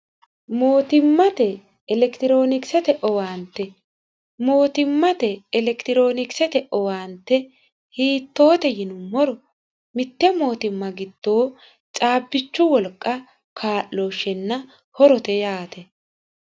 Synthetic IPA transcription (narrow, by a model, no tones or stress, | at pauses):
mo̞ːt̪ɪmːɐt̪ɛː | lɛkt̪ɪɾo̞ːnɪksɛt̪ɛʔɔwaːnt̪ːɛ | mo̞ːt̪ɪmːɐt̪ɛːlɛkt̪ɪɾo̞ːnɪksɛt̪ɛʔɔwaːnt̪ːɛ | hiːt̪ːo̞ːt̪ɛjɪnʊmːɔɾɔ | mɪt̪ːɛmo̞ːt̪ɪmːɐɡɪd̪̥ːo̞ː | t͡ʃʼaːbːɪt͡ʃːʊwɔlkʼːɐ | kʰaːʔːo̞ːʃɛnːɐ | hɔɾɔt̪ɛjaːt̪ɛ